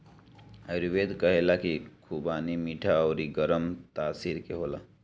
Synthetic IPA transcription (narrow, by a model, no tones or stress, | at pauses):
əɾiʋeːd̪kəɦelakikʰubaːnimiːʈʰaɔːɾiɡəɾəmt̪aːsiːɾkeɦoːla